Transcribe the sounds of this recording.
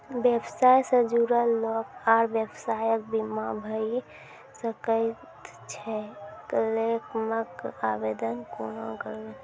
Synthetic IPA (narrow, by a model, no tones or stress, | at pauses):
bebsajsəd͡ʒuɾəlokaɾbjebsajək̚bimabʱəi | səkə | t̪ | t͡ʃʰɛklekməkabed̪ənkonokəɾle